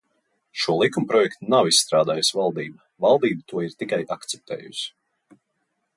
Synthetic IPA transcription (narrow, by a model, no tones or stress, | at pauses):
ʃuɔlˠikumpɾɔjɛkt̪unawissːt̪ɾaːd̪aːjusvalˠd̪iːba | valˠd̪iːbut̪uɔiɾt̪ikajʔakt̪sɛ̥p̚t̪ɛ̰ːjṵs